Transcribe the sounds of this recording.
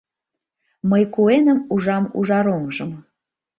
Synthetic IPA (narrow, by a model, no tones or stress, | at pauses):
məjkuenəmuʒɑmṵʒɑɾomʒəm